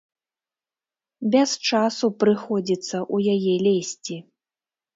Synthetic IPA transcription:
bʲɛst͡ʂasupɾɨxɔd͡zʲit̪sːɐʔujajɛlʲɛsʲt͡sʲi

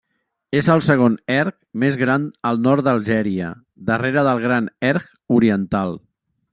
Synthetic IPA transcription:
ezəlˠsəɣ̞onɛɾk | mezɣɾanəlˠnɔɾt̪d̪əlˠʒɛɾiə̰ | d̪əreɾəðəlˠɣ̞ɾanɛɾk | uɾiənt̪alˠ

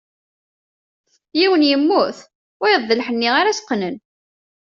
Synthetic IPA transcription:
jiwənjəmːʊθ | ʊjəðˤːəlħənːiʁaɾasqːnən

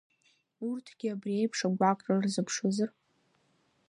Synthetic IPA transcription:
urtʰɡ̥ʲiabriejpʰʂaɡʷakʷʼrarzɨpʰʂazɨr

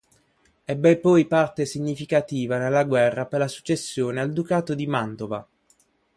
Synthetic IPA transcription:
ɛbːɛpɔjpart̪esiɲːifikat̪iːvanelːaɡwɛrːaperlasu̥t͡ʃːesːjoːneald̪ukaːt̪od̪imant̪ova̰

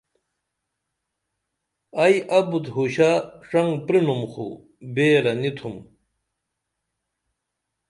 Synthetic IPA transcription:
ɐjʔɐbut̪ɦuɕaʂɐŋɡpɾinumxʰṵ | beːɾɐnit̪ʰum

